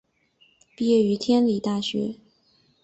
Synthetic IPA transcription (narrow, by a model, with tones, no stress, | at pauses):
pi˥˧jɛ˥˩y˧˥t̪ʰjɛ˥nli˨˩t̪a˥˩ɕɥɛ̰˧˥